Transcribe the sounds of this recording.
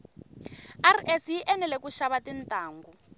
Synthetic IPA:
arɛsjiʔɛnɛlɛkuʃaβatintʼaːŋɡu

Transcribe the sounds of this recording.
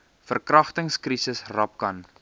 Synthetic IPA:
fərkrɐχtəŋskrisəsrɐp̚kɐn

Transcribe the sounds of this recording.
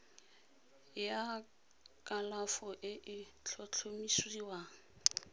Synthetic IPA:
ja | kʼalafɔʔɪʔɪt͡ɬʰɔt͡ɬʰomisiːwaŋ̩

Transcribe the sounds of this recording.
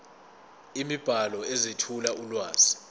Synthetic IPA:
imib̥ʱalɔɛzetʰulaʔulwaːz̥i̥

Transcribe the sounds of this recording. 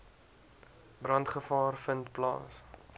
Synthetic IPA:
brɐntχəfɑːrfəntplɑ̰ːs

